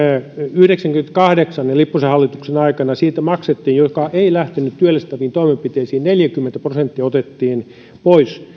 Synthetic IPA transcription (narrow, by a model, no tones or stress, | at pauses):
yhɾeksæŋkymet̪kɑhdeksɑnelipːusehɑlːit̪uksenɑikɑnɑsiːt̪æmɑkset̪ːiːnjokɑʔeilæht̪enyt̪t̪yølːest̪æʋiːnt̪oimempit̪eisiːnneljækymːent̪æprosent̪ːiɑot̪et̪ːiːn | pois